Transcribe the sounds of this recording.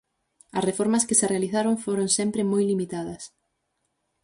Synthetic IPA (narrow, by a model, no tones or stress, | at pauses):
ɐ̰srefoɾmɐskɪserealiθaɾoŋfoɾoŋsɛmpɾɪmojlimit̪aðɐs